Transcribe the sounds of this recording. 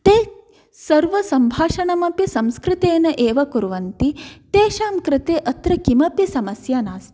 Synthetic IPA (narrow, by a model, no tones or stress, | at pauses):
t̪eː | sɐɾʋɐsɐmbʱaːʃɐɳɐmɐpisɐmskɾɪt̪eːnɐʔeːʋɐkuɾʋɐnt̪it̪eːʃaːmkɾɪt̪eːʔɐt̪ɾɐkimɐpisɐmɐsjaːnaːs